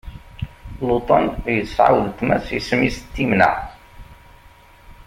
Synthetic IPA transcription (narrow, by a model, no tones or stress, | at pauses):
lot̪ˤɑnjəsʕa̰wðt̪ːmæsismist̪ːimnə̰